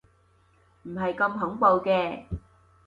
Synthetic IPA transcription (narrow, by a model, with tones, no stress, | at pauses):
m̩˨˩ɦɐ˨jkɐ˧mɦʊ˨˥ŋpo˨wkɛː˧